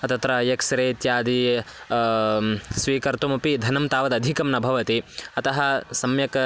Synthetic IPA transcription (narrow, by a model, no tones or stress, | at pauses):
ɐt̪ɐt̪ɾɐjɐksɐɾeːt̪jaːd̪i | sʋiːkɐɾt̪umɐpid̪ʱɐnɐmt̪aːʋɐd̪ɐd̪ʱikɐmnɐbʱɐʋɐt̪iɐt̪ɐɦɐsɐmjɐkɐ